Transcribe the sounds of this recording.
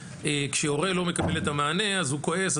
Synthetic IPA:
ekʃeoʁe̞lo̞mekabe̞letamaːne̞azhuko̞e̞s

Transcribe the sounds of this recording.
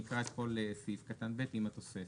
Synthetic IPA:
ikʁaet̪polesifkat̪anbet̪imat̪o̞se

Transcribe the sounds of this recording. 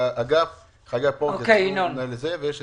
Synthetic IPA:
aʔaɡaf | χaɡapookeinonelezevejeʃe

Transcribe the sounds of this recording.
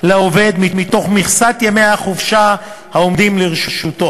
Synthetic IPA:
leove̞d̪mimit̪o̞χmiχsat̪jemejaχuvʃa | haomd̪imleʁʃuʃut̪o

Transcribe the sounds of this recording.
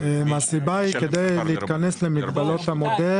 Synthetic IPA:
masibaiked̪ejleit̪kane̞slemiɡbalo̞t̪hamod̪e

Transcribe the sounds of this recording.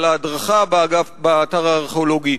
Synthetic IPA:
ladʁaχababaːtaʁaːʁχeolo̞ɡi

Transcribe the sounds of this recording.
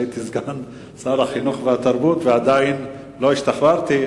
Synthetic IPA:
it̪izɡan | salaχinuχveat̪aʁbut̪vead̪ain | lo̞iʃt̪aχbaʁt̪i

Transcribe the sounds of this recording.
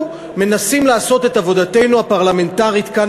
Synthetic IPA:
me̞nasimlaːso̞t̪e̞t̪avo̞d̪at̪e̞jnuhapaʁlame̞ntaʁit̪ka

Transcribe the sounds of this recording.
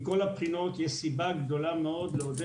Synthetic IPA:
kolapχinot̪jɛsibaɡd̪olameod̪leod̪e

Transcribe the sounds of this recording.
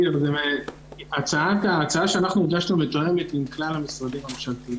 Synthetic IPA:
ɾzeme | at͡saataːt͡saaʃeanaχnuiɡaʃnumet̪oe̞met̪imklalhamisʁadimemaχʃavt̪i

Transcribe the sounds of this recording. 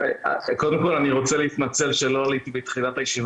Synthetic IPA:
ako̞d̪e̞mko̞laniʁo̞t͡seleit̪mat͡se̞lʃelo̞alit̪ibet̪χinatajeʃiva

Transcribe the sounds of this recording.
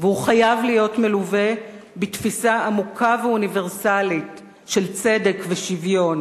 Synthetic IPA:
vehuχajavlijo̞tmeluve̞ | bitfisaamukʰaveunive̞ʁsalit | ʃelt͡se̞dekveʃivjo̞n

